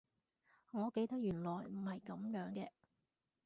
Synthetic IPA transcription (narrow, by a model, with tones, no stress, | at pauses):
ŋɔː˨˧ke˧jt̪ɐ˥k̚jyː˨˩nlɔː˨˩jm̩˨˩hɐ˨jkɐ˨˥mjœː˨˥ŋkɛː˧